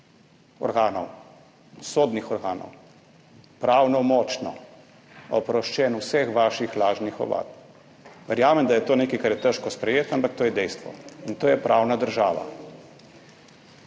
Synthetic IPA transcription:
ɔ̰ɾɡaːnɔ̰w | soːd̪nixɔɾɡaːnɔ̰w | pɾaːwnɔmɔːt͡ʃnɔ̰ | ɔpɾɔʃt͡ʃɛːnusɛxʋaːʃixlaːʒnixɔ̰ʋa̰ːt̪ | ʋɛɾjaːmɛmd̪ajɛt̪oːneːkaijkaɾjɛt̪ɛʃkɔspɾɛjeːt̪ampak̚t̪oːjɛd̪ɛjst̪ʋɔ̰int̪oːjɛpɾʔaːwnad̪əɾʒaːʋa̰

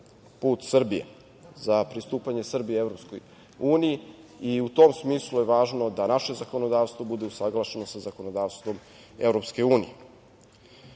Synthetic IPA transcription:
puːt̪sr̩bijḛ | zapɾist̪uːpaɲe̞sr̩bievɾo̞psko̰j | uːnijiiut̪oːmsmiːslˠujeʋaːʒno̞d̪anaʃe̞zako̞nod̪aːʋst̪vʋo̞bud̪e̞usaɡlˠaʃe̞nosazako̞nod̪aːʋst̪ʋo̞m | e̞vɾo̞pske̞uːnḭje

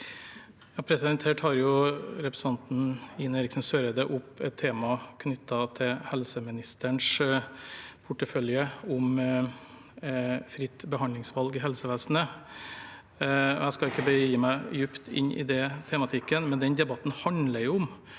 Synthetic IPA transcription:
jɑːpʰɾɛsɪd̪ɛnt̪ʰeːʈhɑɾjʊɾɛpɾəsɑnt̪n̩ɪneːɾɪksn̩søːɾəd̪ɛʔʊpːɛ̰t̪ʰːeːmɑkʰnʏt̪ʰːɑt̪ʰɪhɛlsəmɪnɪst̪ʰəɳʂ | pʰʊʈːəfœljəʊm | fɾɪt̪ːbəɦɑnd̪lɪŋsʋɑlɡɪɦɛlsəʋæːsnə | ɔjæɪskɑɪkːəbəiːmæɪjʉpt̪ʰɪ̰nːʔɪ̰d̪ɛt̪ʰɛmɑt̪ʰɪkːənmɛnd̪ɛnd̪ɛbɑt̪ːnhɑnləɾjʊʊm

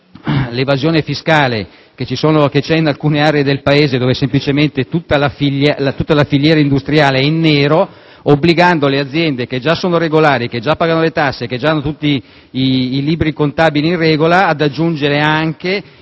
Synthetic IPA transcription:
levazjoːnefiskaːle | ket͡ʃisoːnoket͡ʃɛinalkuːneaːɾeed̪elpaeːzed̪oːvesemplit͡ʃement̪et̪ut̪ːalafillat̪ut̪ːalafiʎjɛːɾaind̪ust̪ɾijaːleɛinːeːɾo | obːliɡand̪olead̪zːjɛnd̪eked͡ʒasoːnoɾeɡolaːɾik̟ed͡ʒapːaːɡanolet̪asːek̟ed͡ʒaanːot̪ut̪ːiː | liːbɾikont̪aːbiliinrrɛːɡolaːd̪ad͡ʒːund͡ʒeɾeaŋke

